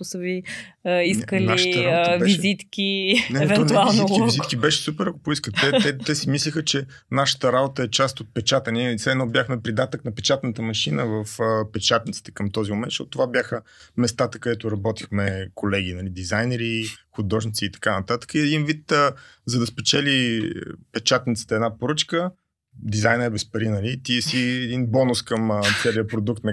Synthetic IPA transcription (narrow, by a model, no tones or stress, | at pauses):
ʊsəvi | iskəlaiaʃɾaoəbɛvʃɛzit̪kʲinɛɛvɛɔt̪ualˠznoikivizit̪kibɛʃɛ̥supɛɾɐkopʊiskət̪ːɛt̪ɛt̪ɛsimislixət͡ʃɛ | naʃə̥t̪əɾabot̪əɛt͡ʃast̪ot̪̚pɛt͡ʃat̪ənisɛd̪nɔbjaxmɛpɾid̪at̪əknɐpɛt͡ʃat̪nət̪əmɐʃinəvəfəpɛt͡ʃat̪nit̪si̥t̪ɛ̥kɐmt̪ɔzimoʊmɛnʃɔ̰t̪t̪ovabjaxə | mɛst̪at̪əkɐd̪ɛt̪ʊɾɐbɔt̪i̥xmɛkolɛɡ̟inɐlid̪izajnɛɾixʊd̪ɔʒnit̪siːt̪ɐ̥kanɐt̪at̪ə̥kəiɛd̪invit̪əzɐd̪ɐspɛt͡ʃɛli | pɛt͡ʃat̪nit̪si̥t̪ɛd̪napoɾɤt͡ʃkə | d̪izajnəɛbɛspɐɾinɐlit̪iɛsiɛd̪inbɔnʊskɐmt̪sɛliəpɾod̪uk̚t̪nɐ